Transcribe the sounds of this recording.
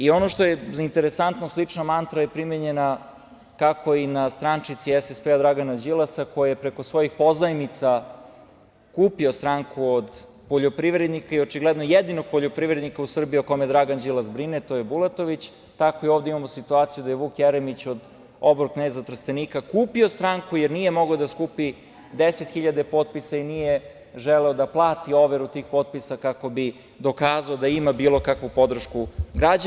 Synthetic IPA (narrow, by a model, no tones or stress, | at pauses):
io̞noʃt̪o̞jezaint̪eɾesant̪noslit͡ʂnamant̪ɾajepɾimeɲena | kako̞inast̪ɾant͡ʃit̪siɛsespead̪ɾaɡanad͡ʑilasakojajepɾe̞kosʋo̞jixpo̞zajmit̪sa | kuːpiost̪ɾaŋkuod̪ | poʎopɾiʋɾed̪nikaio̞t͡ʃiɡlɛd̪nojed̪inoɡ̚po̞ʎʲopɾiʋɾed̪nikausr̩biioko̞mejd̪ɾaɡand͡ʑilasbɾinet̪ojebulˠet̪o̞ʋit͡ɕ | t̪akoioːʋd̪eimamosit̪uaːt̪sijud̪ajeʋuːkjeɾemit͡ɕod̪ | obɾoknezat̪r̩st̪eniːkakuːpio̞st̪ɾaŋkujeɾnije̞mo̞ɡaod̪askuːpi | d̪eset̪xiʎad̪epo̞t̪̚pisainije | ʒeleod̪aplˠaːt̪io̞ʋeɾut̪iːxpo̞t̪̚pisakako̞bi | d̪o̞kaːzaod̪aimabiːlˠo̞kakʋupo̞d̪r̩ʃkuɡɾad͡ʑ